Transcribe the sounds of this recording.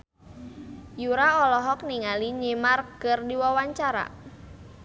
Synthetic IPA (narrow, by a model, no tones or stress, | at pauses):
juɾaɔlɔɦɔk̚niŋaliɲemarɡərdiwawaɲt͡ʃaɾa̰